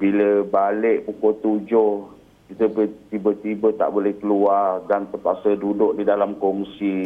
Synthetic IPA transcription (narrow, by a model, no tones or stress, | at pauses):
biləbalɪʔpukot̪ud͡ʒʊh | kit̪əbət̪ibət̪ibət̪a̰ʔbolɛhkəluardant̪əpasədudʊʔ̚didalamkɔŋsi